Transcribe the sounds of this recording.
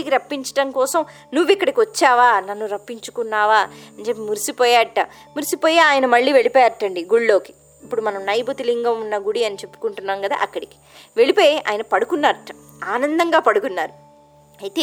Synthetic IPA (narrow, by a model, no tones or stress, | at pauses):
ikiɾɐpːiɲt͡ʃɐ̥ʈɐmkɔːsɐm | nuʋːikːɐɽɐkiʋɐt͡ʃːaːʋaːnɐnːuɾɐpːiɲt͡ʃu̥kunːaːʋaːɐnd͡ʒeːp̬ːimuɾisipɔːjaːɐʈːa | muɾisipoːjeaːjɐnɐmɐɭːiːʋe̞ɭipɛːjɐɐʈːɐɳɖiɡuɭːoːki̥ | ipːuɽumɐnɐmnɐjbɐt̪iliŋɡɐmunːɐɡuɽiɐnit͡ʃe̞pːu̥kuɳʈunːaːmɡɐd̪a̰ːʔɐkːɐɽiki̥ | ʋe̞ɭipoːjeʔa̰ːjɐnɐpɐɽukunːaːɾɐʈːa | aːnɐnd̪ɐŋɡaːpɐɽukunːaːɾu | ɐjt̪eː